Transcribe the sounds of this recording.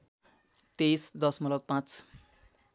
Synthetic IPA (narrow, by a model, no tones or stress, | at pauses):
t̪ejsd̪ʌsmʌlʌpãt͡s